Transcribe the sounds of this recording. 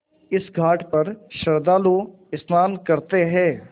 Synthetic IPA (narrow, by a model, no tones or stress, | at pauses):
ɪsɡʱaːʈpɐɾʃəɾd̪aːloː | ɪsnaːnkəɾt̪eɦɛ̃ː